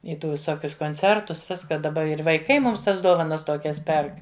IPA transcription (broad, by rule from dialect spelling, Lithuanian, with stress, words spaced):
ɪ ˈtuː ʋʲɪˈsoːkʲʊs koːnʲˈt͡sʲɛrtʊs ˈʋʲɪskɐ dɐˈbɐ ɪr ʋɐɪˈkɐɪ mʊms ˈtɐs ˈdoːʋɐnɐs ˈtoːkʲɛs ˈpʲɛrk